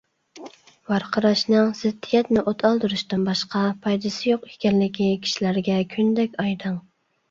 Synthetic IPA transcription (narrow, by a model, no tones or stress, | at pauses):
wɑɾqʰəɾɑʃnɨŋz̥ɪd̪ːijɛt̪nɪʔot̪ʰɑlˠd̪ɨɾuʃt̪ɨmbɑʃqɑpʰɑjd̪ɨsɪjoqe̥kʲɛnlɪkʲikʲʰi̥ʃilæɾɡʲɛkʲʰynd̪ɛkʲɑjd̪ɨŋ